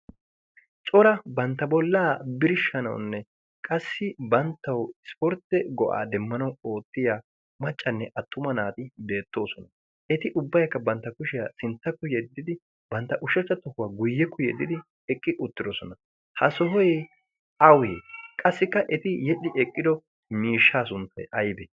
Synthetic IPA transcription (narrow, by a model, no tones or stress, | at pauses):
t͡ʃʼɔɾɐbɐnt̪ːɐbɔlːaːbɪɾɪʃːɐnɐ̰w̰nːɛ | kʼɐsːɪbɐnt̪ːɐwɪspɔɾt̪ːɛɡɔʔa̰ːd̪ɛmːɐnɐwo̞ːt̪ːɪja | mɐt͡ʃʼːɐnːɛʔɐt̪ːʊmɐnaːt̪ɪbe̞ːt̪ːo̞ːsɔnɐ | ʔɛt̪ɪʔʊbːɐjkːɐbɐnt̪ːɐkʊʃɪjasɪnt̪ːɐkːɔjɛd̪ːɪd̪ɪ | bɐnt̪ːɐʔʊʃɐt͡ʃʼːɐt̪ɔhʊwaːɡʊjːɛkːɔjɛ̰d̪ːɪd̪ɪ | ɛkʼːɪʔʊt̪ːɪd̪ɔsɔnɐ | hɐsɔɦɔj | ɐweːkʼɐsːɪkːɐʔɛt̪ɪjɛɗɪʔɛkʼːɪd̪ɔ | miːʃːaːsʊnt̪ːɐ̰jʔɐjbɛ